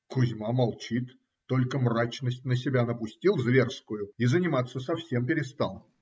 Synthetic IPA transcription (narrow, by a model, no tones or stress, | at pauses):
kʊzʲmamalˠt͡ɕit̪ː | o̞lʲkəmrat͡ɕnəsʲt̚ʲnəsʲɪbʲanəpʊsʲtʲilˠzvʲe̞rskʊjʊizənʲɪmat̪səsɐfsʲe̞mpʲɪɾʲɪst̪alˠ